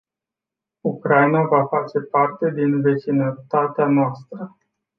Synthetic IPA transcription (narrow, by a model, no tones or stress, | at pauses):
ukɾajnavafat͡ʃe̞part̪e̞d̪inve̞t͡ʃinət̪at̪eanoast̪ɾə